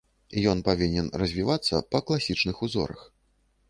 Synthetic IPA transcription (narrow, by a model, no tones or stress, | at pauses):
ijɔnpavʲinʲɛnrɐzʲvʲivat̪sːɐ̰pɐklˠasʲit͡ʂnɨxuzɔ̰ɾɐ̰x